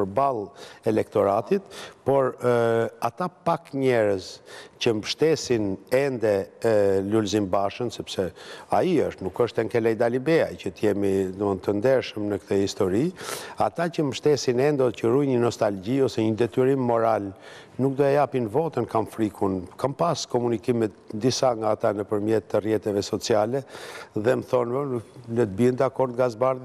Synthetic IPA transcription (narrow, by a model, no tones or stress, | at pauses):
əɾbalˠɛlɛkt̪ɔɾat̪it̪pɔɾ | at̪apakɲɛɾəzcəməʃt̪ɛsinɛnd̪ɛ | lulzimbaʃənsɛpsɛaiəʃt̪nukəʃt̪ɛŋkɛlɛjd̪alibɛa̰icət̪əjɛmiunt̪ənd̪ɛɾʃəmnəkt̪ʰəhist̪ɔɾiat̪acəməʃt̪ɛsinɛnd̪ɔcəɾujɲənɔst̪alɟiɔsɛɲəd̪ɛt̪yɾimːɔɾal | nuk̚d̪ɔɛjapinvɔt̪ənkamfɾikʰunkampaskɔmunikimɛt̪d̪isaŋɡaːt̪anəpəɾmjɛt̪ːərjɛt̪ɛvɛsɔt͡sialɛðɛmθɔnvələt̪̚biɛnd̪akɔɾd̪̚ɡazbaɾð